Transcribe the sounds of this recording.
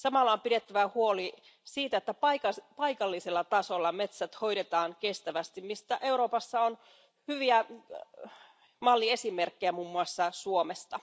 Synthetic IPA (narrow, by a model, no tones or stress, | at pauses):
sɑmɑlːɑompide̞t̪ːæʋæhuo̞li | siːt̪æet̪ːæpɑkɑpɑjkɑlːiselːɑt̪ɑso̞lːɑme̞t̪sæt̪ho̞jdet̪ɑːŋke̞st̪æʋæst̪immist̪æʔe̞uɾo̞ːpɑsːɑon | hyʋiæ | mɑlːie̞sime̞rkːejæmuːmːuɑsːɑsuomest̪ɑ